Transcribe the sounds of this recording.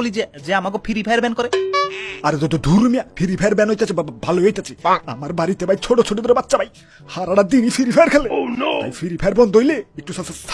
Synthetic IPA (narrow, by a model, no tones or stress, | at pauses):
olid͡ʒed͡ʒeamakopʰiɾipʰajaɾbɛnkɔɾe | aɾet̪ɔd̪od̪ʱuɾmijapʰiɾipʰajaɾbɛnɦojt̪at͡ɕʰibaabʱaloojt̪at͡ʃʰia̰maɾbaɾit̪ebajt͡ɕʰoʈot͡ɕʰoʈ̬id̪oɾebatːʃabaj | haɾaɽad̪inifʰiɾipʰajaɾkʰɛlet̪a̰jfʰiɾipʰajaɾbɔnd̪ɦjleek̚ʈusɔsast̪ʰ